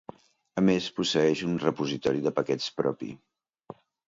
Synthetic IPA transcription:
əmespusəɛʃunrəpuzit̪ɔɾiðəpəkɛt͡spɾɔ̰pḭ

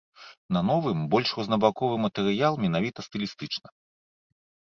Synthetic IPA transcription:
nɐnɔvɨmbɔlʲʂrɔznɐbakɔvɨmɐt̪ɛɾɨjalˠmʲɛnavʲit̪ɐst̪ɨlʲist̪ɨt͡ʂnɐ

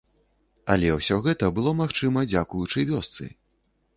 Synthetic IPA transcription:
ɐlʲɛwsʲɔɣɛt̪ɐbɨlˠɔmaxt͡ʂɨmɐd͡zʲakujut͡ʂɨvʲɔst̪sɨ̰

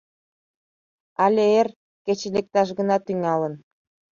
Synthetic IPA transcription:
ɑlʲeer | ket͡ɕelek̚t̪ɑʃ̬ɣə̆nɑt̪yŋɑlən

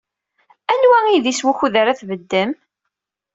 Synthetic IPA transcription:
ænwæiðiswuçuðaɾaθvəd̪ːəm

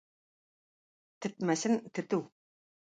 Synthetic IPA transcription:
t̪ɘ̆t̪̚mæsɘnt̪ʰɘ̆t̪ɘw

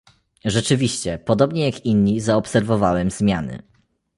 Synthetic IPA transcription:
ʐɛt͡ʂɘvʲiɕt͡ɕɛpɔd̪ɔbɲɛjakinɲizaɔpsɛɾvɔvawɛmzmʲjanɘ̰

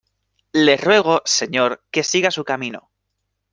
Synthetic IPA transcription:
le̞rwe̞ɣ̞o̞se̞ɲo̞ɾke̞siɣasukamĩno̞̰

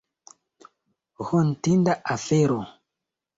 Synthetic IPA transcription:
ɣɔn̩tindaʔafɛɾɔ

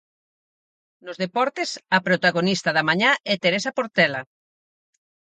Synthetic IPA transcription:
nozðepɔɾt̪esɐpɾot̪aɣonist̪ɐðɐmaɲaɛt̪eɾesapoɾt̪ɛla

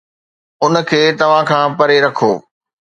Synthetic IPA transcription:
ʊnə̆kʰeːt̪ɐʋ̤ãkʰãːpɐɾeɾɐkʰoː

